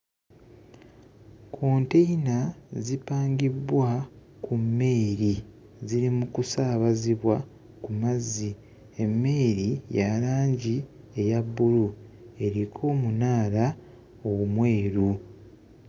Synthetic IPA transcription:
kʰoːnteinazipaːŋɡibwa | kʰumːe̞ːɾi | ziɾimukusaːβaziβwa | kumazːi | e̞mːe̞ːɾijaɾaːɲɟi | e̞jabːulu | e̞ɾikʰo̞ːmunaːla | owumwe̞ːɾu

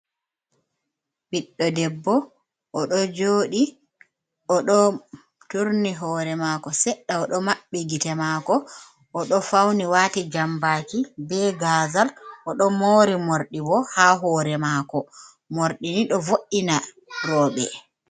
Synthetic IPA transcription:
biɗːɔdɛbːɔ | ʔɔɗɔd͡ʒoːɗi | ɔɗɔ | tuɾniɦɔːɾɛmaːkɔsɛɗːaɔɗɔmaɓːiɡitɛmaːkɔ | ʔɔɗɔfawniwaːtid͡ʒambaːkibɛɡazalʔɔɗɔmoːɾimoɾɗibɔhaɦɔːɾɛmakɔ | moɾɗiniɗɔvoʔːina | ɾɔːɓɛ̰

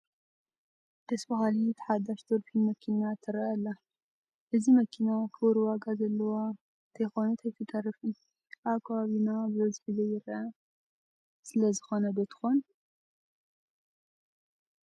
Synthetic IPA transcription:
d̪̥ɐsbɐxalit̪ʰɨ̥ħad̪aʃt̪ʰoɾfʰinmɐkʰinat̪ʰɨɾɐʔɐlːa | ʔɨzimɐkʰinakʰɨwɾwaɡazɐlːɐwa | t̪ʰɐjxo̞nut̪ʰɐjt̪ʰɨt̪ʼɐrɨfɨn | ʔaβkʰːɐβaβinabɨzɐzɨħɨzɐjɪɾʔɐ | sɨlɐzɨxo̞nɐbɨt̪ʰɨ̥xon

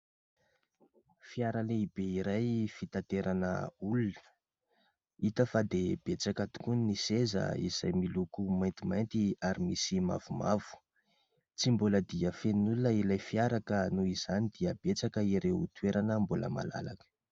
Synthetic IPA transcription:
fiaɾaleibeiɾajfit̪ant̪eɾanə̰ulunə̥ | it̪əfad̪eb̥et͡sakət̪u̥kunnisezə̰ḭza̰jmilukumajnt̪imajnt̪iaɾimisima̰v̥umav̥u̥ | t͡simboləd̪iəfennulunəilajfiaɾakənuiz̥anid̪iəbet͡sakəiɾewut̪weɾanəmbulə̰ma̰la̰la̰kə̥

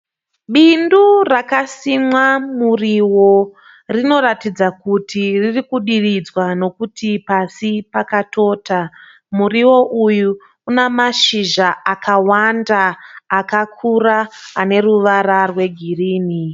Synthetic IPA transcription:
ɓindurakasimwamuriwo̞ | rino̞ɾatid͡zakutʰiririkuɗirid͡zwano̞kutipasipakato̞ːta | muriwo̞ʔujuː | namaʃiʒaakawandaːkakʰuraːne̞ruʋaɾarwe̞ɡʱiriːni

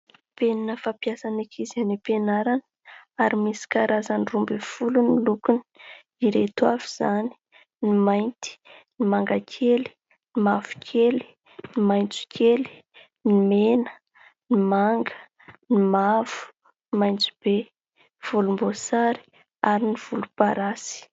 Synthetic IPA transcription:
peninəfapjasanakʰizanipenaɾanə̥ | aɾimisi̥kaɾazanirumbefulunilukuni̥ | iɾet̪wavuz̥ani̥ | nimajnt̪i̥nimaŋɡakʰeli̥ | nimav̥u̥kʲʰeli̥ | nimajnt͡su̥kʰʲeli̥ | nimenə | nimaŋɡə | nimav̥u̥ | nimajnt͡su̥b̥e | v̥ulumbosaɾi̥ | aɾiniv̥ulupaɾasi̥

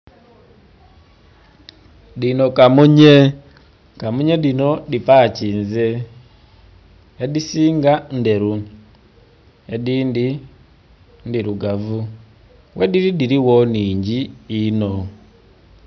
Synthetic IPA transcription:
dinokamuɲe | kamuɲeɗinodipacinze | disiŋɡandeɾu | edindi | ndiɾuɡavu | wʔediɾidiɾiwoniːɲɟiino

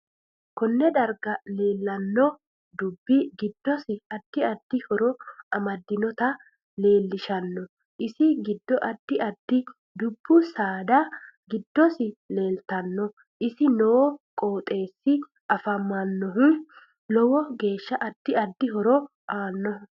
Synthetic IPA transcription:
kɔnːɛd̪ɐɾɡɐle̞ːlːɐnːɔ | d̪ʊbːɪɡɪd̪ːɔsɪɐd̪̥ːɪɐd̪ːɪhɔɾɔɐmɐd̪ːɪnɔt̪ɐ | le̞ːlːɪʃɐnːɔ | ʔɪsɪɡɪd̪ːɔʔɐd̪ːɪɐd̪ːɪ | d̪ʊbːʊsaːd̪ɐɡɪd̪ːɔsɪle̞ːlt̪ɐnːɔ | ʔɪsɪnɔkʼo̞ːt̪ʼe̞ːsːɪ | ʔɐfɐmːɐnːɔɦʊ | lɔwɔɡe̞ːʃːɐʔɐd̪̥ːɪɐd̪ːɪɦɔɾɔ | aːnːɔ

